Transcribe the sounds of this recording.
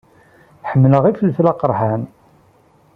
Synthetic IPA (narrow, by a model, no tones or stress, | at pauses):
ħəmːləʁifəlflɑqəɾˤħan